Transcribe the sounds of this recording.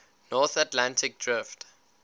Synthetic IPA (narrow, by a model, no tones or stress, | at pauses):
nɔθatlãntʰɪk̚dɹɪft